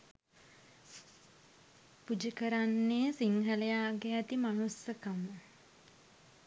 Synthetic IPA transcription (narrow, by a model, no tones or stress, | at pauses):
pud͡ʒikəɾanːeːsiŋɦəlejaːɡeat̪imanusjəkamə